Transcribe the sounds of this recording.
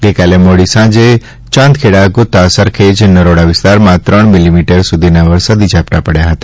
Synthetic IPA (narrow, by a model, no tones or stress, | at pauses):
ɡəjkaːlemoɽisãd͡ʒe | t͡ʃãːnd̪̚kʰeɽaɡʊt̪ːasəɾkʰed͡ʒnəɾoɽaʋɪst̪aɾmãt̪ɾəɳ̃mɪlimiʈəɾsud̪ʱinaʋəɾsəd̪id͡ʒʱapʈ̪apəɽjaɦət̪ḁ